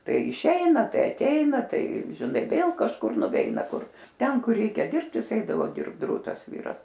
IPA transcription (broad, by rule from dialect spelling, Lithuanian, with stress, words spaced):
ˈtɐɪ ɪˈʃʲɛɪnɐ ˈtɐɪ ɐˈtʲɛɪnɐ ˈtɐɪ ʒʲɪˈnɐɪ ˈʋʲeːlˠ kɐʃˈkʊr nʊˈʋʲɛɪnɐ ˈkʊr ˈtʲɛn ˈkʊr ˈrʲɛɪkʲɛ ˈdʲɪrpt ˈjɪs ˈɛɪdɐʋoː ˈdʲɪrpt ˈdruːtɐs ˈʋʲiːrɐs